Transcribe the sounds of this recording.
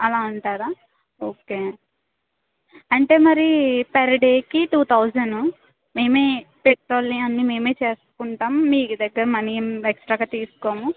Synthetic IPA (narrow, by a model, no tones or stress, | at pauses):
ɐlaːuɳʈaːɾaː | oːke̞ː | ɐɳʈe̞ːmɐɾipɐɾɐɖeːkiʈuːt̪ʰɐwd͡ʒɐnu | me̞ːme̞ːpeʈɾo̞ːlːiɐnːime̞ːmeːt͡ʃe̞ːsu̥kuɳʈaːmːiːkud̪ɐɡːɐɾɐmɐniɐmeksʈɾaːɡaːt̪iːsu̥koːmu